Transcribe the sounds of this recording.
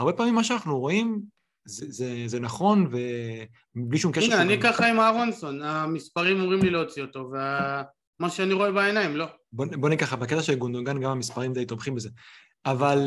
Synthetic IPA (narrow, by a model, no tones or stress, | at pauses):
aʁbe̞paːmimːaʃ̬eanaχnuʁo̞im | zezeze̞naχo̞nve̞ | bliʃumkeenaanikaχaimaʁonso̞namispaʁimamʁimlileot͡sio̞t̪o̞vea | maʃeaniʁo̞ebaenaimlo̞ | bonbo̞nikaχabaket̪aʃe̞lɡond̪oɡanɡamamispaʁimdejt̪obχimbeze | aval